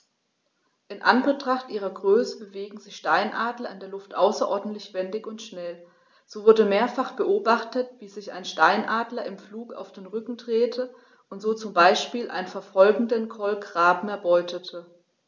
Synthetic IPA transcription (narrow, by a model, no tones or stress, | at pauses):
ʔɪnʔanbətʁ̥aχtʔiːʁ̞ɐɡʁøːsəbəveːɡŋ̩zɪçʃtaɪnʔaːdlɐɪndeːɐlʊftʔaʊsɐʔɔɐdn̩tlɪçv̥ɛndɪçʊntʃnɛl | z̥oːvʊɐdəmeːɐfaχb̥əʔoːbaχtətv̥iːzɪça̰ɪnʃtaɪnʔaːdlɐɪmfluːka̰ʊfd̥eːnʁʏkŋ̩dʁ̥eːtʰə | ʔʊntz̥oːt͡sʊmbaɪʃpiːlʔa̰ɪnənfɛɐfɔlɡŋ̩dənkʰɔlkʁ̥aːbm̩ɛɐbɔʏtʰətʰə